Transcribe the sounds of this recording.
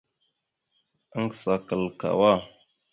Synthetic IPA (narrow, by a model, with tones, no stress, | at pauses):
ə˦ŋɡsa˨kə˨lka̰˨wa˦˨